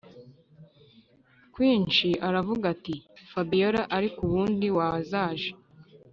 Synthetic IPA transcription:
kwiːnt͡ʃiʔaɾavuɡatifabijoɾaʔaɾikuβuːndiwazaːʒe

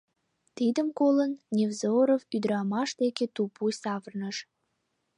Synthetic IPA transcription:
t̪id̪əmkolənnʲevzoɾovyd̪əɾɑmɑʃd̪eket̪upusɑvərnəʃ

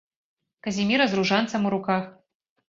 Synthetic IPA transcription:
kɐzʲimʲiɾɐzruʐant̪sɐmuɾukax

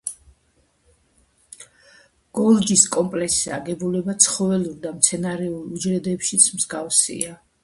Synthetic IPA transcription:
ɡ̥ɔlˠd͡ʒiskʼɔmpʼlɛksaɡɛbulɛbat̪sʰχɔvɛluɾd̪amt̪sʰɛnaɾɛulˠud͡ʒɾɛd̪ɛpʃit̪sʰmzɡafsḭa

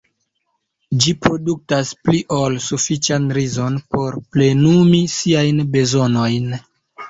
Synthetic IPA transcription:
d͡ʒipɾo̞duk̚taspliʔolsufit͡ʃanɾizo̞npo̞ɾple̞numisiajnbe̞zo̞no̞jn

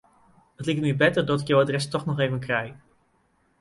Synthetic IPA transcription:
ətlik̚t̚mibɛtəɹdɑtɪkjawadrɛstɔχnɔχejvənkrɛj

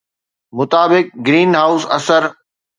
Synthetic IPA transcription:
mʊt̪aːbɪk̚ɡɾiːnɦaʊsɐ̰səɾ

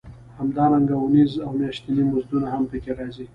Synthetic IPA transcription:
hamd̪ɑɾaŋɡaʊnizawmjaʃt̪inimʊzd̪unaɦampəkeɾɑzi

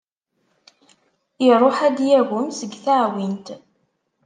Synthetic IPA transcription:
iɾˤoħæd̪jæɣəmsəɡθaʕwint̪

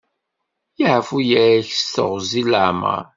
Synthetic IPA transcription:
jaʕəfujəɾæçst̪ə̰ʁziləʕmə̰ɾ

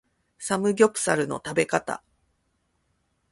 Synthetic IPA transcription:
samɯ̟ɡʲo̞pɯ̟̥saɾɯ̟no̞̰t̪abe̞kat̪a̰

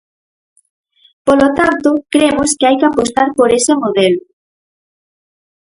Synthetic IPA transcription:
polot̪ant̪okɾemoskɪajkɪapost̪aɾpoɾesemoðelʊ

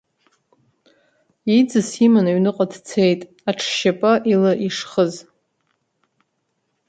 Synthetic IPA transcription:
id͡zɨsimanaɥnɨqʼadt͡sʰejtʼ | aʈ͡ʂʰʃapʼaʔilaʔiʂχəz

